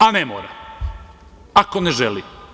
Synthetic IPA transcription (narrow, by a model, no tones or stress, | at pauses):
anemo̰ːɾa̰ | ako̞neʒeli